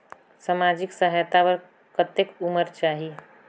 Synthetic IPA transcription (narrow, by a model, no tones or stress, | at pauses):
samad͡ʒɪksəɦjt̪aʋəɾ | kət̪ekuməɾt͡ʃaːɦi